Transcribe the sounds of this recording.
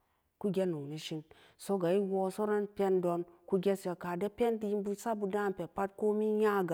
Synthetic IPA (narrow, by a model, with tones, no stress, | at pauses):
ku˦ɡʲe˦nu˨ni˨ʃi˧n | so˦ɡa˨i˦wo˧so˦ɾe˦npʲe˦ndo˧nku˦ɡʲe˦se˨ka˨de˦pʲe˦nti˧ji˦nbu˧sa˦bu˧da˦˨n˨pʲe˨pa˦t̚ko˦mi˦ja˦˨ɡa˨